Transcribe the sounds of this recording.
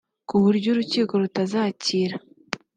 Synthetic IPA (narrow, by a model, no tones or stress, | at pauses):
kuβuɾɟoɾuciːko̞ɾutazaːciɾa